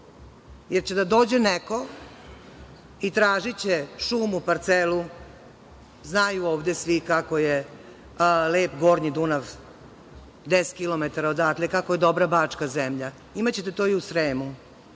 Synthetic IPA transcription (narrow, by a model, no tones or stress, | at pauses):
jeɾt͡ɕe̞d̪ad̪o̞ːd͡ʑeneko̞ | it̪ɾaːʒit͡ɕeʃuːmupaɾt̪selu | znaːjuoːʋd̪e̞sʋikako̞je | leːpɡo̞ːɾɲid̪unaʋ | d̪eskilo̞met̪aɾaod̪aːt̪lʲekakoje̞d̪obɾabaːt͡ʂkazemʎa | imat͡ɕet̪et̪oiusɾeːmu